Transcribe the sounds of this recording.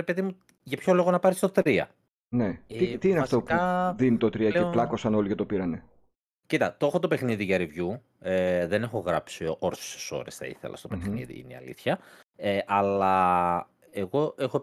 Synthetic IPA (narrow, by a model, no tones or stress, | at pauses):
ɾepeðimu | ʝɐpço̞lo̞ɣonɐpɐɾist̪ot̪ɾiɐ̰ | net̪it̪iːneɐft̪o̞pɐðinit̪ot̪ɾiɐkeolɐko̞sɐno̞liʝɐt̪o̞piɾɐne | cit̪ɐt̪o̞xot̪o̞pe̞xniðiʝɐɾivʝu | eðe̞ne̞xo̞ɣɾɐpsioɾse̥se̥so̞̰ɾe̞̰sθɐ̰ḭθe̞̰lɐ̰st̪o̞̥pexnḭðḭḭnḛiɐ̰lḭθçɐ | eʔɐlɐ | eɣo̞ʔexo